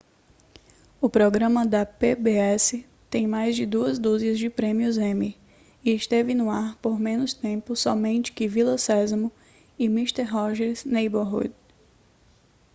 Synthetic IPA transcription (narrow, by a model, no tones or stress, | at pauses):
ʊpɾɔɡɾɐ̃mɐd̪ɐpebeɛsɪ | t̪ẽj̃majzd͡ʒɪd̪uɐzd̪uziɐzd͡ʒɪpɾẽmiʊzẽmi | ɪɪʃt̪evɪnʊaɾpoɾmẽnʊst̪ẽpʊsɔmẽnt͡ʃɪ̥kɪvilɐsɛzɐmʊ | ɪmiʃt̪eɾɦɔʒɛɾznejboɦṵd̪